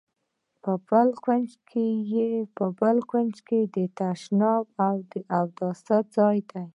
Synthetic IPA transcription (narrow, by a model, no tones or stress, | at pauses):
pəbəlkwand͡ʒkʰejepəbəlkwand͡ʒked̪ət̪aʃnɑb̚awd̪əʔawd̪ɑsad͡zɑjd̪aj